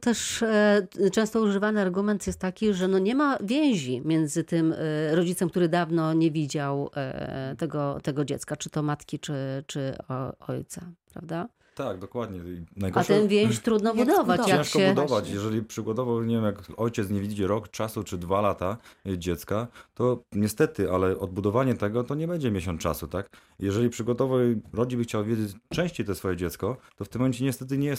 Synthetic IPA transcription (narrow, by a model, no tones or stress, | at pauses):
t̪ɛʂ | t͡ʂɛ̃w̃st̪ɔuʐɘvanɘaɾɡumɛnt̪jɛst̪ːakʲiʐɛnɔɲɛmavʲjẽw̃ʑimʲjɛnd̪zɘt̪ɘmɾɔd͡ʑit̪sɛmk̚t̪uɾɘd̪avnɔɲɛvʲid͡ʑaw̰ | t̪ɛɡɔt̪ɛɡɔd͡ʑɛ̰t̪skat͡ʂɘt̪ɔmat̪kʲit͡ʂɘt͡ʂɘɔ̰jt̪sapɾa̰vd̪a | t̪aɡ̚d̪ɔkwad̪ɲɛinajɡɔatʂɛnvʲjeɕt̪ɾud̪nɔbud̪ɔvat͡ɕ̪jaɛ̃ʂɕkɔɛbud̪ɔvat͡ɕjɛʐɛlʲipʂɘɡɔt̪ɔvɔwɲevʲjemjakɔjt͡ɕɛt̪sɲɛvʲid͡ʑɛɾɔkt͡ʂasut͡ʂɘd̪valat̪ad͡ʑɛt̪skat̪ɔɲɛst̪ɛt̪ɘʔalɛʔɔd̪̚bud̪ɔvaɲɛt̪ɛɡɔt̪ɔɲɛbɛɲd͡ʑɛmʲjeɕ̬ɔnt͡ʂa̰sut̪ak | jɛʐɛlʲipʂɘɡɔt̪ɔvɔwɾɔd͡ʑibɘxt͡ɕawvjed͡ʑet͡ɕt͡ʂɛ̃w̃ɕt͡ɕejt̪ɛsfɔjɛd͡ʑɛt̪skɔt̪ɔft̪ɘmːɔmɛnt͡ɕɛɲɛst̪ɛt̪ɘɲɛjɛs